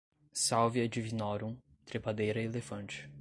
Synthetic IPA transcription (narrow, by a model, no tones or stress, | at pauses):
sawvjɐd͡ʒivinɔɾũ | t̪ɾepad̪ejɾɐielefɐ̃nt͡ʃɪ̥